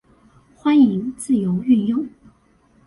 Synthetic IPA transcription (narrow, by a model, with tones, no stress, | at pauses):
xwa˥ni˧˥ŋt͡sɹ̩˥˩jo˧˥ʊy˥˧njʊ˥˩ŋ